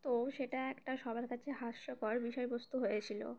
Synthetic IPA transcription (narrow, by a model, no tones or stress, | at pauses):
t̪oʃeʈaɛkʈaʃɔbʱaɾkat͡ɕʰeɦaʃːokɔɾbiʃɔebost̪uɦojet͡ɕʰilo̰